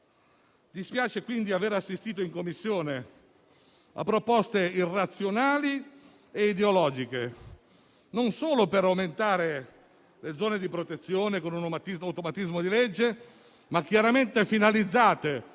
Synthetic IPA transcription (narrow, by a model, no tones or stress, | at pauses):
d̪ispjaːt͡ʃekwind̪iaveːɾasːist̪iːt̪̬oiŋkomːisːjoːne | a̰pːɾopɔst̪eirːat̪sːjonaːli | eid̪eolɔːd͡ʒike | nonsoːlopeɾawment̪aːɾe | led̪zɔːned̪ipɾot̪et̪sːjoːnekonunomat̪iawt̪omat̪izmod̪iled͡ʒːe | mak̟ːjaɾament̪efinalid̪zːaːt̪e